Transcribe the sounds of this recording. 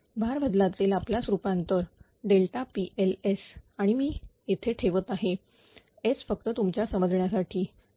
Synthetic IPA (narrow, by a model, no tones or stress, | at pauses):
bʱaɾbəd̪lat̪iːlaplasɾupant̪əɾ | ɖelʈapiʔelesaɽ̃imiːjet̪ʰeʈʰeʋət̪aɦe | et͡sfək̚t̪ət̪umt͡ɕjasəməd͡zɳjasaʈʰiː